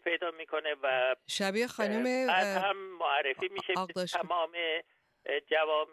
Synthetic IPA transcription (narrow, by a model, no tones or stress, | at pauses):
pʰe̞jd̪ɒːmiːkʰo̞nevæʃæbiexɒːnumeæhæmːoærːefiːmiːʃeɣd̪ɒʃʰmɒːme | d͡ʒævɒːb